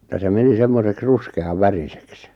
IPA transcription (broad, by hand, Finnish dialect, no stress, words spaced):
jɑ se meni semːoseks ruskeɑʋ ʋærisek se